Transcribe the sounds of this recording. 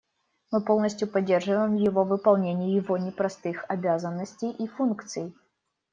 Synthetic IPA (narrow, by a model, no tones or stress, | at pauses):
mɨpɔlˠnɐsʲtʲjupad͡zʲːɛrʐɨvəjɛmjɛvɔvɨpalˠnʲenʲɛjɛvɔnʲɛpɾast̪ɨxabʲazɐnːɐsʲt͡sʲejʔifunkt̪sɨj